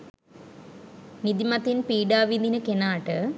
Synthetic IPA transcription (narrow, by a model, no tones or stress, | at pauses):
nid̪imɐt̪ːinpiːɖaːʋind̪inɨkenaːʈɨ